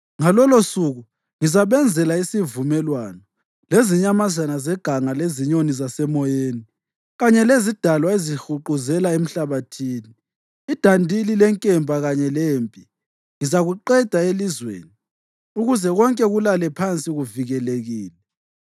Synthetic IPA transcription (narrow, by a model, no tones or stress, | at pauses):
ŋalɔlosuɣu | ŋizaβɛnd͡zʱɛlaisivumɛlwanɔ | leziɲamazanazɛɡ̥ʱaŋaleziɲonizasɛmɔjeːni | ɣaɲɛlezid̥ʱalwaezixuǃuzɛlaem̩ɬaβatʰiːniː | d̥ʱandʱililɛŋkʼɛmbʱaɣaɲɛleːmpʼi | ŋizaɣuǃɛd̥ʱaelizwḛːni | uɣuzɛɣɔŋkʼɛɣulalɛpʰant͡sʼiɣuviɣɛleɣiːlɛ